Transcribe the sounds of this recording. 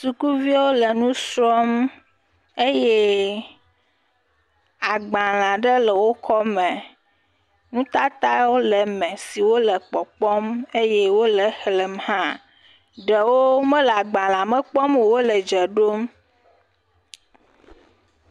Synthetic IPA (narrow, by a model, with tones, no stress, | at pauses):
su˨ku˦vi˦wo˦lə˨nũ˦sɾɔ˦m | e˦je˦ | a˨ɡ͡ba˨l̃ã˨ɖə˦lə˨wo˦kɔ˦mɛ̃˨ | nũ˦t̪a˦t̪a˦wo˦lə˨mɛ̃˨si˨wo˦lə˨k͡pɔ˨k͡pɔ˦me˦jɛ˦wo˦lə˨xlə˨mhã˦ | ɖə˨wo˦mə̃˦lɛ˨a˨ɡ͡bã˨l̃ã˨mə˦k͡pɔ˦m˨wo˦lə˨d͡ʒə˨ɖo˦m